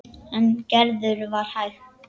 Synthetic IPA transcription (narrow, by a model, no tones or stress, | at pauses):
ɛncɛɾðʏɾvaɾ̥hajɣ